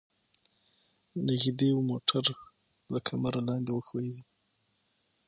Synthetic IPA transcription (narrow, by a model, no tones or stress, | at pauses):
naɣd̪ewmoʈʰaɾ | lakʰamaɾalɑnd̪ewəxwezi